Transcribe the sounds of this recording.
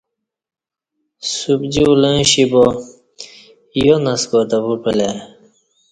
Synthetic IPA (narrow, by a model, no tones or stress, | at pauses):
subd͡ʑiulẽɕibo | jonɐskot̪abupele